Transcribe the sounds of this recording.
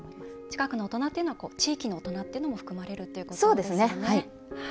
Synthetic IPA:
t͡ɕi̥kakɯ̟noot̪o̞nat̪ːe̞iɯ̟noβakoːt͡ɕiːkʲino̞ot̪o̞nat̪ːeiɯ̟no̞mo̞ɸɯ̟̥kɯ̟maɾe̞ɾɯ̟t̪ːe̞iɯ̟kosoːd̪e̞sɨne̞hai | h

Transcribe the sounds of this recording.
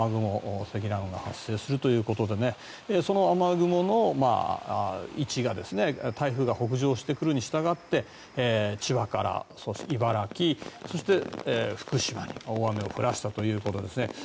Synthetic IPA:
aɡɯ̟mo̞se̞ɡʲiɾaɯ̃ŋɡa̰hasːe̞ːsɨɾɯ̟t̪o̞jɯ̟ːko̞t̪o̞d̪e̞ne̞ | eso̞no̞amaɡɯ̟mo̞no̞ma̰ː | it͡ɕiɡad̪e̞sɨne̞t̪ʰaiɸɯ̟ɡaho̞k̬ɯ̟ʑo̞ːɕi̥t̪e̞kɯ̟ɾɯ̟ɲ̟iɕi̥t̪aɡat̪ːe̞ | t͡ɕiβakaɾa̰soɕiβaɾakʲiso̞ɕi̥t̪e̞eɸɯ̥kɯ̟ɕima̰ɲ̟ḭoame̞o̞̰ɸɯ̟ɾʔaɕi̥t̪at̪o̞jɯ̟ːko̞t̪o̞d̪e̞sɨne̞̰

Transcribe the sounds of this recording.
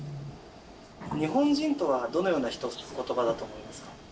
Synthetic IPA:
ɲ̟iɦõ̞ɲd͡ʑĩnt̪o̞βad̪o̞no̞jo̞ːnaçi̥t̪o̞̥ko̞t̪o̞bad̪at̪o̞ːmo̞imasɨ̥kḁ

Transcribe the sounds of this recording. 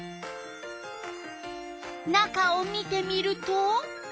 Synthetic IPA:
nakaomit̪emiɾuto

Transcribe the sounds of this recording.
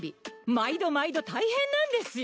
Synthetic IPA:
bʲimaid̪o̞maid̪o̞t̪aihẽ̞nːãnd̪e̞sɨj

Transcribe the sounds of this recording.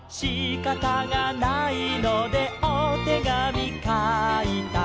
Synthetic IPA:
ɕikat̪aŋanainod̪e̞ot̪eɡamʲikait̪a

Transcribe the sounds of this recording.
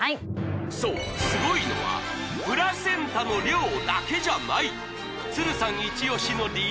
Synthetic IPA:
asoː | sɨɡo̞ino̞̰βa̰ | pɯ̟ɾasẽ̞nt̪ano̞ɾʲoːd̪ake̞ʑanai | t͡sɨɾɯ̟sãŋit͡ɕio̞ɕino̞ɾʲi

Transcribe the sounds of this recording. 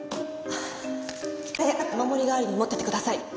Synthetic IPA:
t̪ajaakamamo̞ɾʲiɡaːɾɯ̟ɲimo̞t̪ːet̪ekɯ̟d̪asai

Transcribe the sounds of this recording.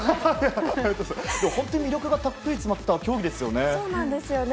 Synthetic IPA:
aat̪osd̪e̞mohont̪oɲ̟imʲiɾʲo̞kɯ̟ɡat̪akːɯ̟it͡sɨmat̪ːakʲo̞ːɡʲid̪e̞sɨjo̞neoːnãnd̪e̞sɨjon

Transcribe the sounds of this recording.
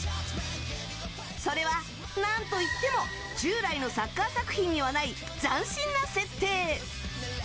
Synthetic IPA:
so̞ɾe̞βa | nãnt̪oit̪ːe̞mo̞ | d͡ʑɨːɾaino̞sakːasakɯ̟̥çʲĩɲ̟ːiβanai | d͡zãɰ̃ɕĩnːase̞t̪ːe̞ː

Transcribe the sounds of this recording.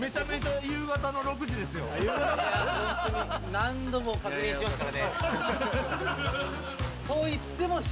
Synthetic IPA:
me̞t͡ɕame̞t͡ɕajɯ̟ːɡat̪ano̞ɾo̞k̬ɯ̟ʑid̪e̞sɨjo̞̰j | nãnd̪o̞mokakɲĩːsimaan | soːit̪ːe̞moɕ

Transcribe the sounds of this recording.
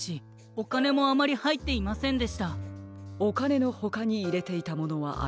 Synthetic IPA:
ɕi | o̞kane̞mo̞amaɾʲihait̪ːe̞imasẽ̞nd̪e̞ɕi̥t̪a | okane̞no̞ho̞kaɲ̟iːɾe̞t̪e̞it̪amo̞no̞βa̰ʔa̰

